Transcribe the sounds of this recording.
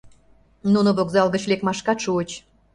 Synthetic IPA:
nunoβokzɑlɣət͡ɕlʲekmɑʃkɑt̪ʃuət͡ɕ

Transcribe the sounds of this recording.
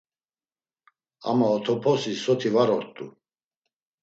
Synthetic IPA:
a̰maɔt̪ʰɔpʰɔsisɔt̪ʰivaɾɔɾt̪ʼṵ

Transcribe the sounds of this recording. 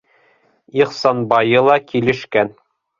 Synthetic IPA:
iχsɑnbɑjɤlˠɑkilɘ̆ʃkæn

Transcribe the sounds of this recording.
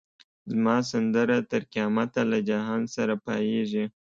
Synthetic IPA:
zmɑs̬and̪əɾat̪əɾkiɑmat̪alad͡ʒaɦɑnsaɾapɑjeʒi

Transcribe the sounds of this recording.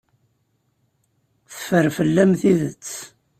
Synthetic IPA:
θəfəɾfəlːæmθiðət͡sː

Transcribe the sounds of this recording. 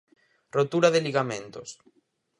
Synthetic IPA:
rot̪uɾaðɪliɣamẽnt̪os

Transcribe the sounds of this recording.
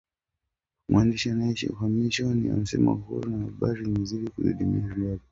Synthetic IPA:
mwandiʃianaiʃḭufamiʃɔnia̰m̩sɛma̰huɾunahaɓaɾiniziɾikuɗṵɗimḭaɾiavi

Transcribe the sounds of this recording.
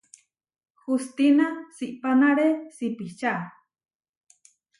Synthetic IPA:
xust̪inasiʔpanaɾesipiht͡ʃa

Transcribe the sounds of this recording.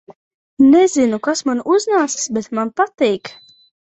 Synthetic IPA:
nɛzinukasmanuznaːssbɛt̪manpat̪iːk

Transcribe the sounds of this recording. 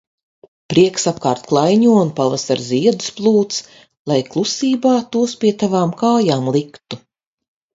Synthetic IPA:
pɾiɛksap̚kaːɾt̪klˠajɲuɔunpavasaɾziɛd̪usplˠuːt̪s | lˠajklˠusiːbaːt̪uɔspʲiɛt̪avaːmkaːjaːmlˠikt̪u

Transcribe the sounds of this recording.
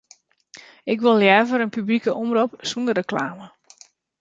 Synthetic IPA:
ɪk̬ʋɪlˠjɛːvəɾənpyblikəʔɔmropsundərəklaːmə

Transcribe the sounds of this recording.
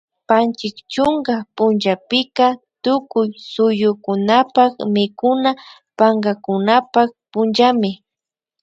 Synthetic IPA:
pant͡ʃɪkt͡ʃʊŋɡapʊnʒapɪkat̪ʊkʊjsʊjʊkʊnapakmɪkʊna | paŋɡakʊnapak̚pʊnʒamɪ

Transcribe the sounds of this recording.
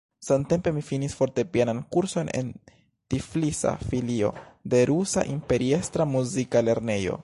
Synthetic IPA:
sante̞mpe̞mifinisfo̞ɾte̞pjenankuɾso̞ne̞̰n | tiflisa̰filio̞̰de̞ɾusa̰ʔimpe̞ɾie̞st̪ɾamuzikale̞ɾne̞jo̞̰

